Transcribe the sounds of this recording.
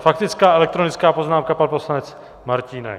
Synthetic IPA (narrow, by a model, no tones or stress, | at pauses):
fakt̪ɪt͡skaːʔɛlɛk̚t̪ɾonɪt͡skaːpo̞znaːmkapanposlanɛt͡s | maɾciːnɛ̰